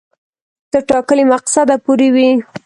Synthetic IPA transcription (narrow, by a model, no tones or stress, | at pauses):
t̪əʈɑkəlimaqsad̪apoɾewi